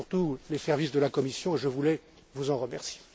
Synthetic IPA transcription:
ʁt̪ulesɛʁvisd̪əlakɔmisjɔ̃eʒəvulɛ | vuzɑ̃ʁəmɛʁsie

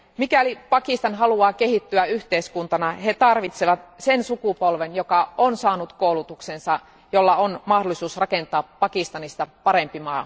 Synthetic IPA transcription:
mikælipɑkist̪ɑnɦɑluɑːkeɦit̪ːyæyht̪eiskunt̪ɑnɑhet̪ɑrʋit̪seʋɑt̪sensukupolʋenjokɑonsɑːnut̪koulut̪uksensɑ | jolːɑonmɑhdolˑisuːsrɑkent̪ɑːpːɑkist̪ɑnist̪ɑpɑɾempimɑː

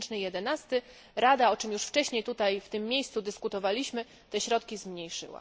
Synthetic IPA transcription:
t͡ʂnɘjɛd̪ɛnast̪ɘ | ɾad̪aɔt͡ʂɘmjuʂft͡ʂɛɕɲejt̪ut̪ajft̪ɘmːʲjejst̪sud̪ɘskut̪ɔvalʲiɕmɘ | t̪ɛɕɾɔt̪kʲizmɲejʂɘ̰wa̰

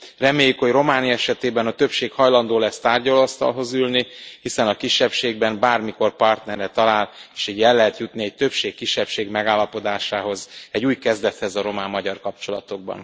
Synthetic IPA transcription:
rɛmeːjːykhoɟro̞maːniɛʃɛt̪eːbɛnɒt̪øpʃeːkhɒjlɒnd̪oːlɛst̪aːrɟɒloɒst̪ɒ̰lɦo̞zylnihisɛnɒkiʃːɛpʃeːɡ̚bɛmbaːrmiko̞rpɒrt̪nɛrːɛt̪ɒlaːleːʃiɟɛlːɛɦɛt̪jut̪niɛc̚t̪ø̞pʃeːkːiʃːɛpʃeːɡmɛɡaːlːɒpo̞d̪aːʃaːɦo̞zɛɟuːjkɛzd̪ɛt̪hɛzɒɾo̞maːmːɒɟɒrkɒp̚t͡ʃo̞lɒ̰t̪o̞ɡ̚bɒ̰n

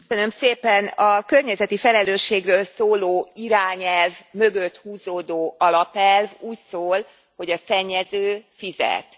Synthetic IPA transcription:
ønø̞mseːpɛnɒkørɲɛzɛt̪ifɛlɛløːʃːeːɡrøːlsoːloːiɾaːɲɛlvmø̞ɡøt̪huːzoːd̪oːʔɒlɒpɛlvuːcsoːl | ho̞ɟɒsɛɲːɛzøːfizɛ̰t̪

